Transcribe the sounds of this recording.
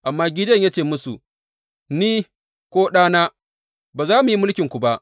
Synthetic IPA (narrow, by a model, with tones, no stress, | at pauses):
ʔa˨mːaː˦ɡʲɪ˦dɐ˦˨ɲja˦t͡ʃeː˦˨mʊ˦su˨ʔ | niː˦ | kʷoː˦ɗaː˦naː˦ | baː˨zaː˦mu˨ji˦mʊ˦lkʲɪ˨ŋkʷu˨ba˦ʔ